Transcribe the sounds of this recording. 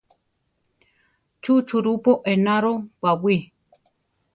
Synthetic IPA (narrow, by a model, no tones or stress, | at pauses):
t͡ʃut͡ʃuɾupoʔenãɾowawi